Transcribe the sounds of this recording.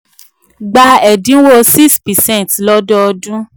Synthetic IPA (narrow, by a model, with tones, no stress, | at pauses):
ɡ͡ba˧ɛ˨dĩ˨˦wo˦si˦˨spɛ˨sɛ̃˦˨tlɔ˦dɔ˦ɔ˧dũ˦